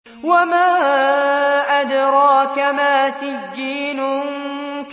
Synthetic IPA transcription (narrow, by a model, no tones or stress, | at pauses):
wamaː | ʔad̪ɾˤɑːkamaːsɪd͡ʒːiːnʊ | k